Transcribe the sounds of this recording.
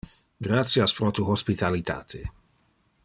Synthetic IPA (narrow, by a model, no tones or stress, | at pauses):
ɡɾat̪sjaspɾot̪uhospit̪alit̪a̰ːt̪ʰe